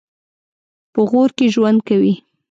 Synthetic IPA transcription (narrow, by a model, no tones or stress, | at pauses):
pəɣoɾkeʒwand̪̚kawi